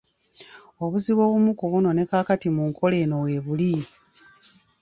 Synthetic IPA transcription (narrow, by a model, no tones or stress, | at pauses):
o̞βuziβo̞ːβumukuβuno̞ne̞kaːkatimuŋkʰo̞le̞ːno̞weːβuli